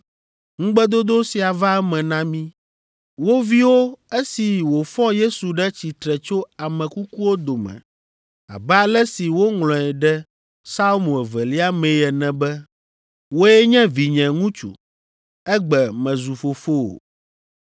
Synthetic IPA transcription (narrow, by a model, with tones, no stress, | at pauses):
ŋũ˦ɡ͡bɛ˦d̪o˦d̪o˦si˨a˨va˦ɛ˦mɛ̃˨nã˦mĩ˦ | wo˦vi˦wo˦ɛ˦si˨wo˨fɔ̃˦je˦su˨ɖɛ˦t͡ɕi˨t̪ɾɛ˨t͡ʃo˦a˨mɛ̃˨ku˦ku˦wo˦d̪o˨mɛ̰̃˨ | a̰˨bɛ˦a˦lɛ˦si˨wo˦ŋlɔ̃˨ɛ˨ɖɛ˦ | sa˦lmũ˨ɛ˨vɛ˨li˦a˦mẽ˨˦ɛ˨nɛ̃˨bɛ˦ | wo˦jɛ˦ɲɛ̃˦vi˨ɲɛ̃˨ŋũ˦t͡ʃṵ˨ | ɛ˦ɡ͡bɛ˨mɛ̃˨zu˨fo˨fo˦o̰˨